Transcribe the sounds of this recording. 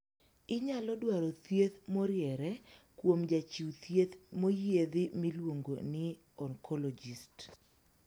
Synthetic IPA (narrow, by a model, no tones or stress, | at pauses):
ɪɲalɔdwaɾɔt̪jet̪moɾjɛɾɛ | kwomd͡ʒat͡ʃiwt̪jet̪mojed̪ɪmɪlwoŋɡo̰nɪ | ɔŋkʰɔlɔd͡ʒist